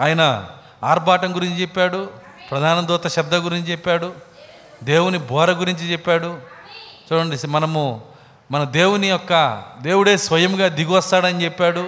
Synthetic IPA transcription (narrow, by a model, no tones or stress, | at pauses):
aːjɐnɐ | aːɾbaːʈɐŋɡuɾiɲt͡ʃit͡ʃɛpːaːɽu | pɾɐd̪ʱaːnɐd̪ɔːt̪ɐʃɐb̚d̪ʱɐɡuɾiɲt͡ʃit͡ʃɛpːaːɽu | d̪e̞ːwunibʱɔːɾɐɡuɾiɲt͡ʃit͡ʃɛpːaːɽu | t͡ʃuːɽɐɳɖismɐnɐmu | mɐnɐd̪eːwuniɔkːɐd̪e̞ːwuɽe̞ːsʋɐjɐmɡaːd̪iɡuʋɐst̪aːɽɐnit͡ʃɛpːaːɽu